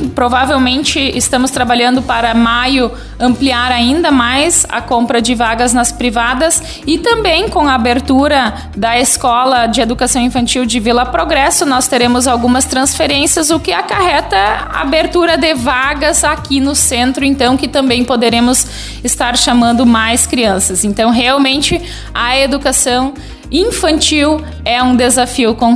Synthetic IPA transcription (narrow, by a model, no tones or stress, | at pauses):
pɾovavewmẽnt͡ʃɪɪst̪ɐ̃mʊst̪ɾabaʎɐ̃nd̪ʊpaɾɐmajʊ | ɐ̃mpliaɾaĩnd̪ɐmajzɐ̰kõmpɾɐd͡ʒɪvaɡɐznɐspɾivad̪ɐs | ɪt̪ɐ̃mbẽj̃kõɐabeɾt̪uɾɐ | d̪ɐeskɔlɐd͡ʒɪed̪ukasɐ̃w̃ĩfɐ̃nt͡ʃiwd͡ʒɪvilɐpɾoɡɾɛsʊnɔst̪eɾẽmʊzawɡũmɐst̪ɾɐ̃sfeɾẽsiɐzʊkɪakaɦɛt̪ɐa̰beɾt̪uɾɐd̪ɪvaɡɐzakinʊsẽnt̪ɾʊẽnt̪ɐ̃w̃kɪt̪ɐ̃mbẽj̃pod̪eɾẽmʊs | ɪst̪aɾʃamɐ̃nd̪ʊmajskɾiɐ̃sɐzẽnt̪ɐ̃w̃ɦeawmẽnt͡ʃɪ | ɐed̪ukasɐ̃w̃ | ĩfɐ̃nt͡ʃiw | ɛũd̪ezafiʊkõ